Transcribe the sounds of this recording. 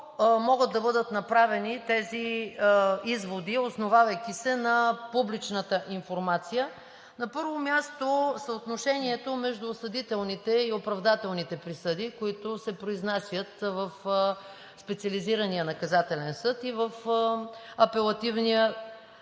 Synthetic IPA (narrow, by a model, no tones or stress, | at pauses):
mɔɡəd̪d̪ːɐbɤd̪ət̪nɐpɾavɛnit̪ɛzi | izvod̪iosnovavəjk̟isɛnɐpublit͡ʃnət̪əʔiɱfoɾmat̪sijə | nɐpɤɾvomʲjast̪osəot̪noʃɛniɛt̪omɛʒd̪ʊsɐd̪it̪ɛlˠnit̪ɛiopɾɐvd̪at̪ɛlˠnit̪ɛpɾisɤd̪ikoit̪osɛpɾoiznasʲjət̪vəf | spɛt̪siɐliziɾɐnijənɐkɐzat̪ɛlɛnsɤt̪ivəf | ɐpɛlˠɐt̪ivnijə